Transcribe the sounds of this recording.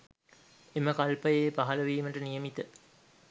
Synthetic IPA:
eməkɐlpɐjeːpɐɦɐlɐʋiːməʈənijəmit̪ə

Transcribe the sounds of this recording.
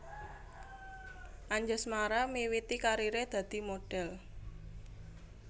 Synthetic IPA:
ʔaɲd͡ʒasmaɾamiwit̪ikaɾiɾed̪̥ä̤d̪̥i̤moɖ̥ɛl

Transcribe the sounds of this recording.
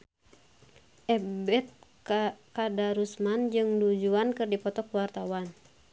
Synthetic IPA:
ʔɛbɛt̪̚ | kadaɾusmand͡ʒɨŋdud͡ʒuankɨrdipɔt̪ɔkwart̪awan

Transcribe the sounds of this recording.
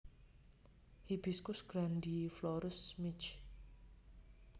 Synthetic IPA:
hibiskʊsɡ̥ɾandiflɔɾʊsmit͡ʃ

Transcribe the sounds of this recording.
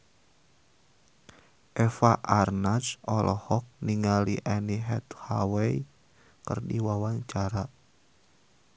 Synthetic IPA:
ʔɛfaʔarnasɔlʔɔhɔk̚niŋaliʔaniɦɛt̪hawɛi | kərdiwawaŋt͡ʃaɾa

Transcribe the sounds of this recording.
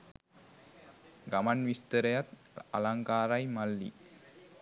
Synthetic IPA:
ɡamanʋist̪əɾəjat̪ | a̰laŋkaːɾajmalːḭ

